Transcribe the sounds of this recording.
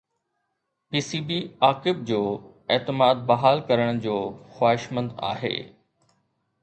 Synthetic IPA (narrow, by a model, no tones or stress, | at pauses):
piːsiːbiaːkɪb̚d͡ʑoː | eːt̪ɪmaːd̪̚bɐɦaːlkɐɾəɽ̃d͡ʑoːxwaːɦɪʃmə̃nd̪a̰ːɦḛː